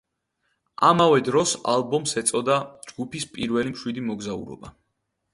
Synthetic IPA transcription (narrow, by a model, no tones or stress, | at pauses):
ʔamavɛd̪ɾɔsalbɔmsɛt̪sʼɔd̪ad͡ʒɡupispʼiɾvɛlimʃwid̪imɔɡzaṵɾɔ̰ba